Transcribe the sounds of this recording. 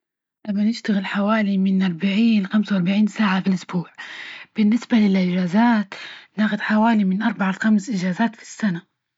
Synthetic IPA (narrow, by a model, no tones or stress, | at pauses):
ʔamːanɪʃt̪aɣɪlħawaːlimɪnʔɑɾˤbaʕiːnxamsawɑɾˤbaʕiːnsaːʕafilʔʊsbuːʕb̥ɪnːɪsbalɪlʔɪʒaːzaːt̪naːxʊd̪ħawaːlimɪnʔɑɾˤbaʕalxamsʔɪʒaːzaːt̪fi̥sːana